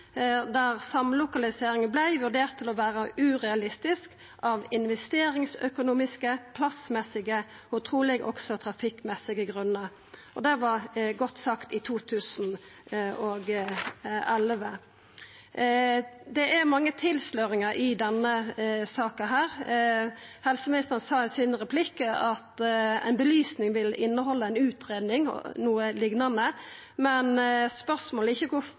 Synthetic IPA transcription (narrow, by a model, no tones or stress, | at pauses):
d̪æʁsɑmlʊkɑlɪseːɾɪŋənblæɪʋʉʁd̪eːʁt̪ʰːɪlɔʋæːʁəʉːʁɛɑlɪst̪ɪsk | ʔɑʋɪnʋɛst̪eːɾɪŋsœkʊnuːmɪskəpʰlɑsmɛsɪɡəʊt̪ʰʁuːlɪɡʔɔ̰ksɔt̪ʰɾɑfɪkːmɛsɪɡəɡʁʉnːə | ʔɔd̪ɛʋɑɾɡɔt̪ːsɑkt̪ɪt̪ʰuːt̪ʰʉːsn | oːɡ | ɛlʋə | d̪ɛʔæɾmɑŋːət̪ʰɪlsløːɾɪŋəʔɪd̪ɛnːəsɑːkɑɦæːɾ | hɛlsəmɪnɪst̪əʁənsɑːɛsɪnɾɛpʰlɪkːəɑt̪æ̰ɪnbəlyːsnɪŋʋɪlɪnːəɦɔlːəæɪnʉːt̪ɾeːd̪nɪŋ̰nuːəlɪɡnɑnə | mɛnspœʁsmoːləɪçːəkʊ